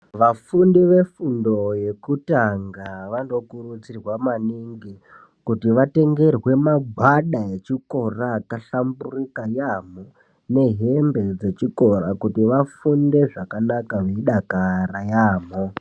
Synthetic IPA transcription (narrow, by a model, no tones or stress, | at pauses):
ʋafundiʋe̞fundo̞je̞kutaŋɡaʋano̞kurut͡sirwamaniŋɡi | kutiʋate̞ŋɡe̞rwe̞maɡʱwaɗae̞t͡ʃiko̞raːkaɬamburikajaːmo | ne̞ɦe̞mbe̞d͡ze̞t͡ʃiko̞rakutiʋafunde̞ʐakanakaʋeiɗakaɾajaːmo